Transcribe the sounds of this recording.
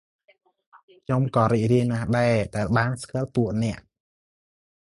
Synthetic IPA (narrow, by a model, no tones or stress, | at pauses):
kʰɲomkɑːɾiːc̚riənnːaːhɗaɛɗaɛlɓaːnskəlp̪uəʔnɛ̆əʔ